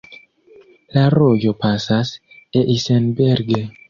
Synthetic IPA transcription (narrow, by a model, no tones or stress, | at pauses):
laɾoɟopasas | eʔisenbeɾɡe